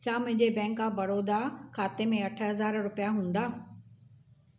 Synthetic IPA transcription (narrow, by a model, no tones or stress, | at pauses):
t͡ɕʰaːmʊ̃ɦɪ̃ɲd͡ʑebɛ̃ːŋkabɐɾoːd̪akʰaːt̪emẽɐʈʰəɦɐzaːɾɾʊpijaɦũːn̆d̪aː